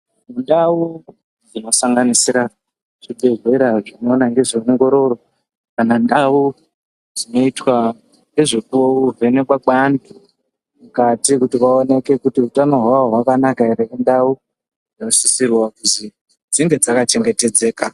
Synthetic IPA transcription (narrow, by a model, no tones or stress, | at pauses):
mundau | d͡zino̞saŋɡanisiɾa | ʐ̥iɓezweɾaʐinoːnaŋɡe̞ʐioŋɡo̞ɾo̞ro̞ | kanandau | d͡zino̞itwa | ŋɡe̞ʐekuouvenekwaɓandu | mukatikutiʋaone̞ke̞kutiutano̞ɦwaɦwakanakaeɾemundau | ʐeosisirwakuzi | d͡ziŋɡe̞d͡zakat͡ʃe̞ŋɡe̞te̞d͡ze̞ːka